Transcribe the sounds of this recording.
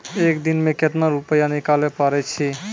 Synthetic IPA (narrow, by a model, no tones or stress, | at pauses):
ekd̪inmeket̪naɾupəjanikalɛpaɾɛt͡ʃʰi